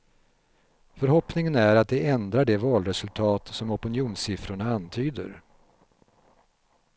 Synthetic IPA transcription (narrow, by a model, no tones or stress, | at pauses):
fœɾɦɔpnɪŋənæɾat̪̚d̪ɛʔɛnd̪ɾaɖɛvɑːlɾɛsɵlt̪ʰɑːt̪sɔmɔpɪnjuːnsɪfɾʊɳaant̪ʰyːd̪ə̰ɾ